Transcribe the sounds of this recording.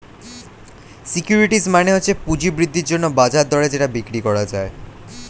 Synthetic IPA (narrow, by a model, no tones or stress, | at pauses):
sikjuɾiʈismaneɦoːɕʰepud͡ʑibɾid̪ʱːiɾd͡ʑonːobad͡ʑaɾd̪ɔɽed͡ʑeʈabikɾikɔɽad͡ʑae